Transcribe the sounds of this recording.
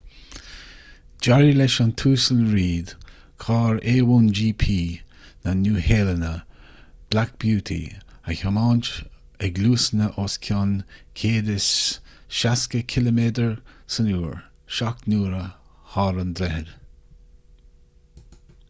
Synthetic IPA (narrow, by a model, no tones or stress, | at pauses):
d͡ʒaɹilɛʃantʰuːsəlɹiːd̪ | kʰɑːɹeːwuːnd͡ʒiːpʰiː | nanuːheːlənə | b̥lak̚b̥juːtʰḭ | açɔmɑːnt͡ʃ | əɡluːsnəʔoːskʰɔnkʰeːdəsʃaskəkʰɪləmeːd̪əɹsənuːɹ | ʃaknuːɾəhɑːɾənd̪ɾɛhəd